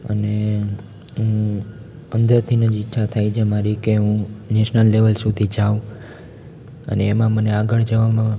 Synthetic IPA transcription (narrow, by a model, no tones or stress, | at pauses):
ə̰ne | ɦũ | ənd̪əɾt̪ʰinəd͡ʒɪt͡ʃːʃʰat̪ʰajt͡ʃʰemaɾikeɦũneʃnəlːeʋəlsud̪ʱid͡ʒaũ | ə̰neːmãməneaɡəɭd͡ʒəʋamã